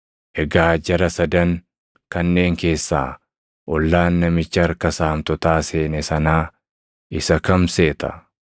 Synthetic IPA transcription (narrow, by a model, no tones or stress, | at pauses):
ʔɛɡaːd͡ʒɐɾɐsɐd̪ɐŋ | kɐnːe̞ːŋke̞ːsːa̰ː | ʔɔlːaːnːɐmɪt͡ʃːɪɐɾkɐsaːmt̪ɔt̪aːse̞ːnɛsɐnaː | ɪsɐkɐmse̞ːt̪ɐ̥̰